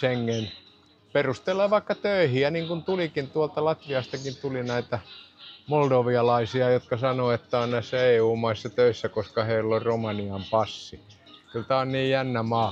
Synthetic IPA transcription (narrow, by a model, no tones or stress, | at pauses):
eŋːen | perust̪elːˑeːʋɑikːɑt̪øihiæniːŋkunt̪ulikint̪uɑlt̪ɑlɑt̪ʋiɑst̪ɑkint̪ulinæit̪æmoldoʋiɑlɑisiɑjot̪kɑsɑnoet̪ːæonnæisːæeːuːmɑisːɑt̪øisːækoskɑheilːorromɑniɑmpɑsːi | kylt̪æonniːjjænːæmɑː